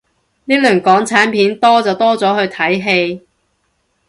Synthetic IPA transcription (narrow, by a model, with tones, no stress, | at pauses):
niː˥lœː˨˩ŋkɔː˨˥ŋt͡sʰaː˨˥npʰiː˨˥nt̪ɔː˥t͡sɐ˨wt̪ɔː˥t͡sɔː˨˥hɵ˧ɥt̪ʰɐ˨˥jɦe˧j